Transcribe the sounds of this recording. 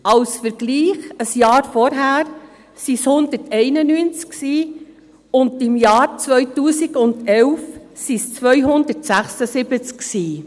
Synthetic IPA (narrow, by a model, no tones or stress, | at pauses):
ɑwsfəɾɡ̥liːχəsjɑːɾfɔɾɦæːɾ | sishʊnd̪ətɛɪnənyːnt͡sksiː | ʊnd̪ɪmjɑːɾt͡sʋœʏtuːsɪɡ̥ʊnd̥̪ɛlfsist͡sʋœjɦʊnd̪ətsæχsəsɪbət͡sksiː